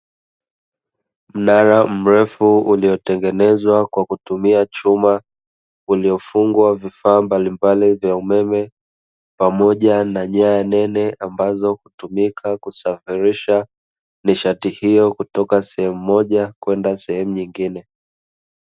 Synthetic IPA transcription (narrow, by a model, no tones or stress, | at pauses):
m̩naɾam̩ɾɛfuuliɔtɛŋɡɛnɛzwakwakutumiat͡ʃuma | uliɔfuŋɡwavifaːmbalimbalivjaumɛmɛ | pamɔʄanaɲajanɛnɛʔambazɔhutumikʰakusafiɾiʃa | niʃatihijɔkutɔkasɛhɛmuːɔʄakwɛndasɛhɛmuɲiŋɡinɛ